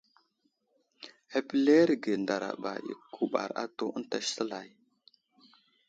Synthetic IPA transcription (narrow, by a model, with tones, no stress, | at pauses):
e˨pi˨le˦ɾɡe˨nda˨ɾa̰˨ɓa˨ḭ˨kʰu˨ɓa̰˨ɾa̰˦to˦ʔə˦n˦ta˦ʃsə˦la˨j